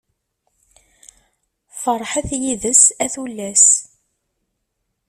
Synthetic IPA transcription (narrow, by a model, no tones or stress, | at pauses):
fəɾˤħaθjiðəsæθulːæs